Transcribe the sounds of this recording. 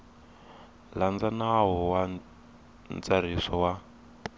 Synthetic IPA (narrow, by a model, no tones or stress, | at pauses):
land͡zanaɦɔwa | nt͡sar̤isɔwa